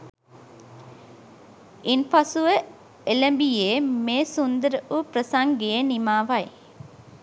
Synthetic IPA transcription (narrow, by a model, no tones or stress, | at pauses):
inpasuʋə | eləmbijeːmeːsund̪əɾəʔupɾəsaŋɡejenimaːʋaj